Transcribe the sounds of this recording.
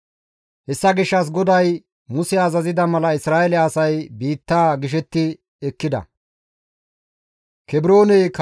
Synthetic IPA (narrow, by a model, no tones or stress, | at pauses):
hɛsːɐɡɪʃːɐs̬ɡɔd̪ɐj | mʊsɛɐzɐzɪd̪ɐmɐlɐɪsɾaːɛlɛɐsɐjbiːt̪ːaːɡɪʃ̬ɛt̪ːɪ | ɛkːɪd̪ɐ̰ | kɛbɪɾo̞ːnɛjk